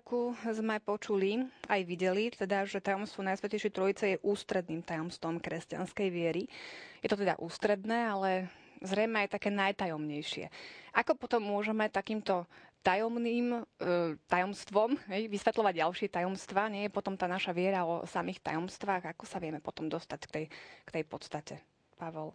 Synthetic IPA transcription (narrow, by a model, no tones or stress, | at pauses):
kuzmɛpɔt͡ʃuliajʋiɟɛlit̪ɛd̪aʒɛt̪ajɔmst̪ʋɔnajsʋɛcɛjʃjɛt̪ɾɔjit͡sɛjɛʔuːst̪ɾɛd̪niːmt̪ajɔmst̪ʋɔmkɾɛsca̰nskɛjʋɪɛɾijɛt̪ɔt̪ɛd̪a̰ʔuːst̪ɾɛd̪nɛːalɛzɾɛjmɛajt̪akɛːnajt̪ajɔmɲɛjʃɪɛ̰ʔakɔpɔt̪ɔmːʊɔʒɛmɛt̪akiːmt̪ɔt̪ajɔmniːm | t̪ajɔmst̪ʋɔmɦɛjʋisʋɛt̪lˠɔʋaɟɟalʃɪɛt̪ajɔmst̪ʋaːɲɪɛjɛpɔt̪ɔmt̪aːnaʃaʋɪɛɾaɔ̰samiːxt̪a̰jɔmst̪ʋaːɣakɔsaʋɪɛmɛpɔt̪ɔmd̪ɔst̪ackt̪ɛjkt̪ɛjpɔt̪st̪acɛ | paʋɔl